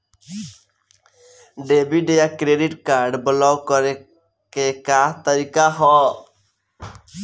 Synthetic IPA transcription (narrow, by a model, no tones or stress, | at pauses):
ɖebiɖejakɾeɖiʈkaɾɖbəlɔwkɔɾe | kekaːt̪əɾikaɦɔ